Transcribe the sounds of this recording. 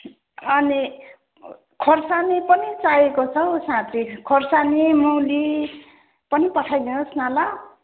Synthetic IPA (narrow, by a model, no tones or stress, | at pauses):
ʌni | kʰorsanipʌnit͡sajekot͡sʰʌsãt̪ʰikʰorsanimuli | pʌnipʌʈʰajd̪inʌsnala